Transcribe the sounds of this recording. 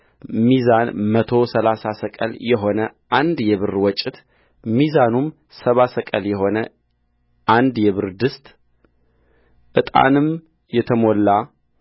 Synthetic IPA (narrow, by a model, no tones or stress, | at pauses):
mizanmət̪ʰo̞səlasasəkʼə̰ljɛɦo̞nəʔand̪jɛβɨɾwɔt͡ʃʼːɪt̪ | mizanum | səβasəkʼəljɛɦo̞nə | ʔand̪jɛβɨɾd̪ɨst̪ʼ | ʔɨt̪ʼa̰nɨm | jɛt̪ʰəmolːa